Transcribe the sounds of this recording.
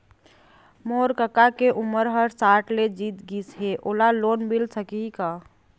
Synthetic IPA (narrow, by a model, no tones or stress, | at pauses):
moːɾkəkakeʔʊməɾɦəɾsaːɾʈled͡ʒiːt̪ɡisɦeʔoːlaloːnbilsəkika